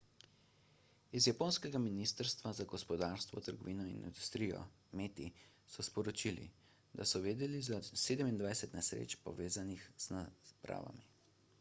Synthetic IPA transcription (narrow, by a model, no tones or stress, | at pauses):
izjapoːnskɛɡaminiːst̪əɾst̪ʋazaɡɔspɔd̪aːɾst̪ʋɔ̰t̪əɾɡɔʋiːnɔḭnḭnd̪ust̪ɾijɔ̰ | meːt̪i | sɔspɔɾɔt͡ʃilḭ | d̪asɔʋeːd̪ɛlizaseːd̪əmind̪vajsɛt̪nɛsɾḛːt͡ʃpɔ̰ʋeːzanixz̥napɾa̰ːʋa̰mi